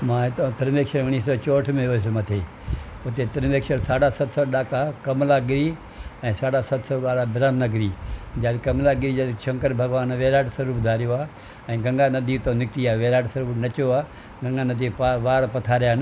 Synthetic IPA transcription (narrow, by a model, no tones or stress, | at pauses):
mãːɦɪt̪õt̪ɐɾʋeːkʃəɾʋɪɽ̃isɔt͡ɕoːʈʰmẽoes̬mɐt̪ʰeː | ʊt̪et̪ɐɾʋeːkʃəɾsaːɽasɐt̪sɔɗaːkakɐmlaɡɪɾi | ɛ̃ːsaːɽasɐt̪sɔːɡaːɽabɪɾaːnnaɡɪɾiːd͡ʑaːlikɐmlaɡɪɾid͡ʒaːlɪʃɐ̃ŋkəɾbʱɐɡʋaːnʋeːɾaːʈsɐɾuːbd̪ʱaːɾijoaː | ɛ̃ːɡɐ̃ŋɡanɐd̪ʱit̪onɪkʈiaːʋeːɾaːʈsɐɾuːbnɐt͡ɕoaː | ɡɐ̃ŋɡanɐd̪ʱipaʋaːɾpɐt̪ʰaːɾijaːɪn